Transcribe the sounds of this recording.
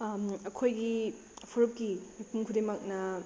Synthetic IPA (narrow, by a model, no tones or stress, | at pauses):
ɐkʰojɡi | pʰuɾup̚kimepuŋkʰudemɐk̚nɐ